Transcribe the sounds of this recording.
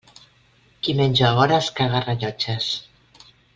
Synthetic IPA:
kimenʲd͡ʒoaβɔɾaskaɣaraʎɔt͡ʃes

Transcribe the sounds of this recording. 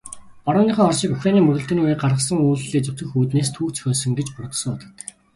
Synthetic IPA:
pɔɾʊːniːχœːɔrʃiːkuxranʲiːmɵɣɵ̆ɬt̪ɘ̆nujeːɢarʁə̆sə̆ŋuːɮːeːt͡sɵk̚ʲt̪ʰɵ̆xuːt̪neːst̪ʰuːkt͡sɵ̥xʲœːsɵ̆ŋɡet͡ɕpʊrt̪̆sɞ̆ŋɔt̪ɞ̆t̪

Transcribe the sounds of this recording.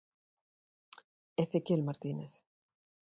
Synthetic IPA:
eθekelmaɾt̪ineθ

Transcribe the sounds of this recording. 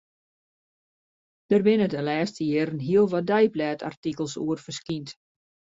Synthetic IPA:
d̥ərbɪnədənlɛːstəjɪːɾənɦiəlˠʋɔdɛjplɛːtʰa̰rtikəlˠsuərfərskint

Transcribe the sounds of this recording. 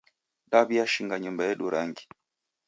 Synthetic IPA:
ɗaβiaʃiŋɡaɲumbajɛɗuɾaŋɡi

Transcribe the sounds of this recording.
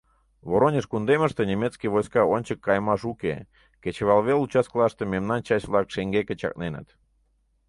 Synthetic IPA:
βoɾonʲəʃkund̪eməʃt̪enʲemʲet̪t͡skijβojskɑonʲt͡ɕəkːɑjmɑʃukḛ | ket͡ɕəβɑlˠβelut͡ɕɑskəlˠɑʃt̪ememnɑnt͡ɕɑt͡ɕvlɑkʃeŋɡeket͡ɕɑ̰k̚nenə̰t̪

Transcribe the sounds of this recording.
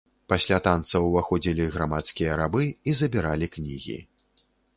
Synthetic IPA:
pasʲlʲat̪ant̪sɐwvaxɔd͡zʲilʲiɣɾamat̪skʲijɐɾabɨizɐbʲiɾalʲiknʲḭɣʲḭ

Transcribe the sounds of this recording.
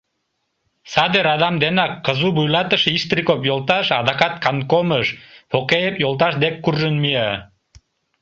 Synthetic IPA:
sɑd̪eɾɑd̪ɑmd̪enɑkːɤ̆zubujlˠɑt̪ə̆ʃiʃt̪rikopjolˠt̪ɑʃɑd̪ɑqɑt̪kɑnkoməʃfokejepjolˠt̪̬ɑʃd̪ekːurʒənmie

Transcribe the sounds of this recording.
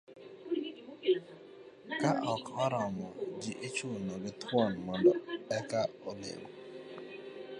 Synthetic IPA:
kaʔɔkɔɾɔmɔd͡ʒɪʔet͡ʃunɔɡɪt̪ʰwɔnmɔndɔɛkaolḛŋɔ

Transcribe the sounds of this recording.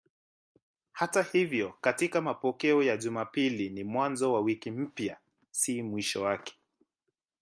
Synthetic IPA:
hatahivjɔkatikamapɔkɛɔjaʄumapilinimwanzɔwawikim̩pja | simwiʃɔwakɛ̥

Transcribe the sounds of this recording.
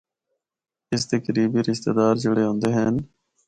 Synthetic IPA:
ɪst̪ekəɾiːbiːɾɪʃt̪ḛːd̪aːɾd͡ʒʊɽeːɦõːnd̪eːɦɛːn

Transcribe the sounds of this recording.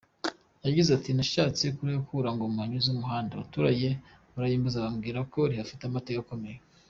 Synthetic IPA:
jaɟizatinaʃaːt͡sekuɾejokuɾaŋɡomaɲuzumuɦaːndaβatuːɾaɟe̞ | βuɾajiːmbazaβamɡiːɾako̞ɾihafitamatekako̞me̞je

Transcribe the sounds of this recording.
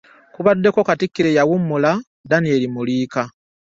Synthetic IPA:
kuβadːe̞ko̞katikːiɾejawumːula | danie̞limuliːka

